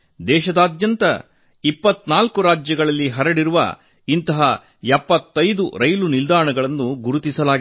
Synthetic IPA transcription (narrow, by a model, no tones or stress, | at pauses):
d̪ɛːʃɐd̪aːd̪jɐnt̪ɐ̰ | ipːɐt̪naːlkuɾaːd͡ʒjɐɡɐɭɐlːiɦɐɾɐɽiɾuʋɐ̰ | int̪ɐɦɐ | ɛpːɐt̪ːɐjd̪uɾɐjlunild̪aːɳɐɡɐɭɐnːuɡuɾut̪isɐlaːɡ